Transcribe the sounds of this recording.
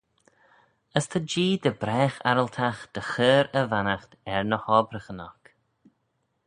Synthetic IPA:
əst̪ʰəd͡ʒiːd̪əbɾɛːxa̰ɾəlt̪ʰaxd̪̥əxəːɾəvanaxt̪ɛɹnəhɔːbɾəxənɔk

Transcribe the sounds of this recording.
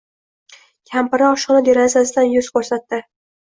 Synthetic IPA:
kʲʰampɪɾaɒʃɒnad̪e̞ɾazasɪd̪anjʊz̥kʰʲɵɾsat̪ːɪ

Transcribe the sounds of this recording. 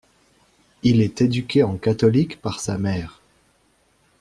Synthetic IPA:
ilɛt̪ed̪ykʲeɑ̃kat̪ɔlikpaʁsamɛːʁ

